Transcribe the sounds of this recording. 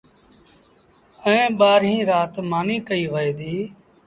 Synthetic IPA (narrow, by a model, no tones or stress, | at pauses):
əẽːɓaːɾɦĩːɾaːt̪maːniːkəiːʋəeːd̪iː